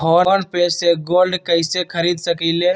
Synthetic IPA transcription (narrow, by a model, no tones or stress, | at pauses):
ɦɔːnpeːseɡoːlɖkɐɪsekʰɐɾiːd̪sɐkileː